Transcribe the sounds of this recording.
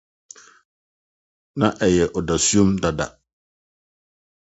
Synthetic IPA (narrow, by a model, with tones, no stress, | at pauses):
nã˦ʔɛ˨jɛ˨ʔɔ˨da˨su˦õ˦mda˨da̰˨